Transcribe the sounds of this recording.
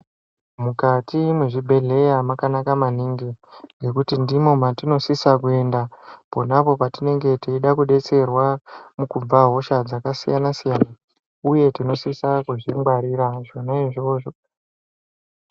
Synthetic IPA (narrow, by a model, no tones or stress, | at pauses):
mukatimweʐibʱe̞ɮe̞jamakanakamaniːŋɡiŋɡe̞kutindimo̞matino̞sisakue̞ndapo̞napo̞patine̞ŋɡe̞tiiɗakuɗe̞t͡se̞rwamukub͡vaɦo̞ʃad͡zakasijanasijana | uje̞tino̞sisakuʐimɡwaɾiɾaʐo̞naiʐioʐo